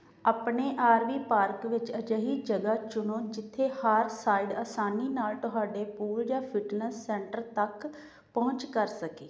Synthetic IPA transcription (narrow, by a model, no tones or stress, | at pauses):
aːpɳeːʔaːɾʋiːpaːɾkʋɪt͡ʃəd͡ʒəɦiːd͡ʒəɡaːt͡ʃʊnõːd͡ʒɪt̪ʰːeːhaːɾsaːiɖaːsaːniːnaːlt̪ʊɦaːɖeːpuːld͡ʒãːpʰɪʈnəsːɛ̃ːɳʈəɾt̪ək | pɔ̃ːɲt͡ʃkəɾsəkeː